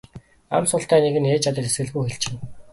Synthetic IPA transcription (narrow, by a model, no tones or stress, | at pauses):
a̰msʊːɬt̪æːneɣɘ̆neːt͡ɕat̪ə̆t̪esɡɘ̆ɮɣujxeɬt͡ɕɪ̆n